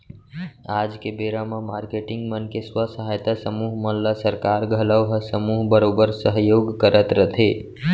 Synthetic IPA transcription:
aːd͡ʒkebeɾamãmaːɾkeʈɪ̃ŋɡmənkeswəsəɦaːjt̪asəmuːɦməllasəɾkaːɾɡʱələʋɦəsəmuːɦbəɾoːbəɾsəɦjoːɡkəɾət̪ɾət̪ʰe

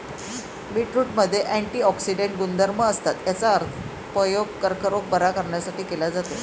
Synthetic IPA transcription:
biʈɾuːʈməd̪ʱːjeʔæɳʈiːɔksiɖeɳʈ̚ɡund̪ʱəɾməəst̪at̪jat͡saəɾt̪ʰ | pəjoɡ̚kəɾkʰəɾok̚bəɾakəɾɳjasaʈiːkelad͡zat̪o

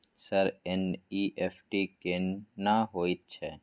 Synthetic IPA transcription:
sɐɾɛniːʔefʰʈikenːaɦoːit̪̚t͡ʃʰɛː

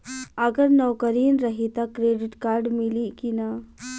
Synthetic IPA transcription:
əɡəɾnɔwkəɾiːnɾɐɦit̪akɾeːɖɪʈkaːɾɖmɪlikina

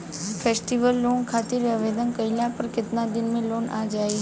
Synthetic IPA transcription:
fʰeːsʈiʋəlːoːnkʰat̪ɪɾəʋed̪ənkəiljãpəɾkɪt̪nãd̪ɪnmẽloːnã̰d͡ʒaːi

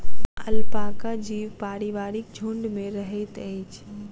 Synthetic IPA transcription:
əlpakad͡ʒiːʋpaːɾiʋaːɾɪk̚d͡ʒʱoɳɖmẽɾəɦɛt̪ət͡ʃʰ

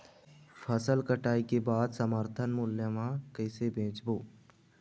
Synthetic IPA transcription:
pʰəsəlkəʈaːikebaːd̪səməɾt̪ʰənmʊljəmãkəɪsebʱẽːt͡ʃboː

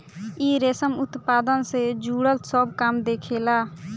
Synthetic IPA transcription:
iːɾeːsəmʊt̪paːd̪ənsed͡ʒuːɽəlt̪səbkamd̪eːkʰeːlaː

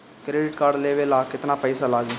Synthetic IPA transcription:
kɾeːɖɪʈkaːɖleːʋelaːkɪt̪nãːpɛɪsaːlaːɡiː

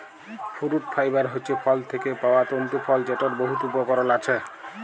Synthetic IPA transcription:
fʰuɾuʈ̚pʰajbaɾɦojt͡ɕʰepʰɔlt̪ʰekepaoat̪ont̪upʰɔld͡ʑeʈoɾboɦut̪ubokɔɾolat͡ɕʰe

